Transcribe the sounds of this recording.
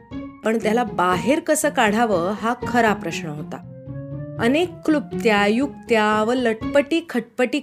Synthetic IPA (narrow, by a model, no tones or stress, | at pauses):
pəɳt̪jalabaɦeɾkəsəːkaɽ̤aʋəːɦakʰəɾapɾəɕnəɦot̪a̰ | ənekːlub̚t̪jajuk̚t̪jaʋələʈpəʈiːkʰəʈ̚pəʈiː